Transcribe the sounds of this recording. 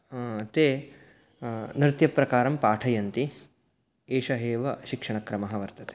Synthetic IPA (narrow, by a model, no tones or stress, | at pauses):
t̪eː | nɾɪt̪jɐpɾɐkaːɾɐmpaːʈʰɐjɐnt̪i | eːʃɐɦeːʋɐʃikʂɐɳɐkɾɐmɐɦɐʋɐɾt̪ɐt̪e̥